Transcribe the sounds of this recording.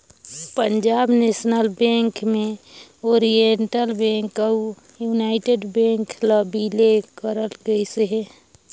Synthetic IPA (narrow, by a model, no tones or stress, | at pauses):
pəɲd͡ʒaːbnesnəlbẽŋkmẽoɾienʈəlbẽŋkəu | junaɪʈeɖbẽŋkləbilekəɾəlɡəiseɦe